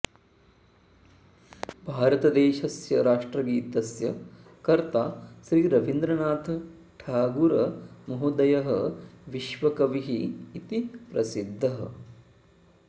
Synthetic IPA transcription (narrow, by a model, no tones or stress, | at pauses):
bʱaːɾɐt̪ɐd̪eːʃɐsjɐɾaːʂʈɾɐɡiːt̪ɐsjɐ | kɐɾt̪aːʃɾiːɾɐʋind̪ɾɐnaːt̪ʰɐ | ʈʰaːɡuɾɐmɐɦud̪ɐjɐɦɐʋiʃʋɐkɐʋiɦiːt̪ipɾɐsid̪ʱːɐɦɐ̰